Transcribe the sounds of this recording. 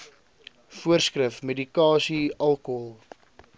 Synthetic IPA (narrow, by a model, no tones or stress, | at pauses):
fuərskrəfmedikɑːsiɐlˠkoəllˠ